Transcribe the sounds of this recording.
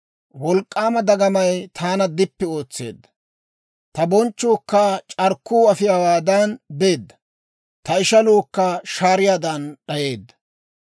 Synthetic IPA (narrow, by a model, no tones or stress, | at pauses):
wɔlkʼːaːmɐd̪ɐɡɐmɐjt̪ʰaːnɐd̪ɪpːɛo̞ːt͡sːe̞̰ːd̪ːɐ̥ | t̪ɐbɔnt͡ʃːoːkːaːt͡ʃʼɐɾkːuːɐfɪjawaːd̪ɐnbe̞ːd̪ːɐ̥ | t̪ɐɪʃɐloːkːɐʃaːɾɪjaːd̪ɐnɗɐje̞ːd̪ːɐ̥